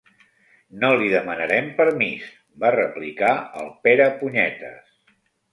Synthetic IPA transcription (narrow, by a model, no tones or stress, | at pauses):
noliðəmənəɾɛmpəɾmis | barəplikaə̰lˠpeɾəpuɲɛt̪ə̰s